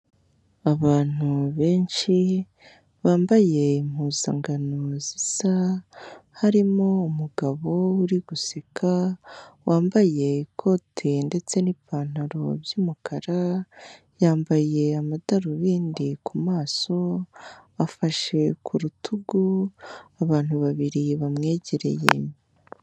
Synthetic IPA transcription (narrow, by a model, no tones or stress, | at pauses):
aβaːn̥uβe̞ːnʃi | βaːmbaje̞m̥huːza̰ŋɡanoziza | haɾimo̞umuɡaβo̞uɾiɡ̥usikʰawaːmbaje̞kʰo̞tʰende̞t͡se̞nipaːn̥haɾo̞bjuːmukʰaɾa | jaːmbaje̞amadaɾuβiːndikumaːso̞ | afaʃe̞kʰuɾutʰuɡuaβaːn̥huβaβiɾiβamŋe̞ːɟe̞ɾe̞̰je̞̰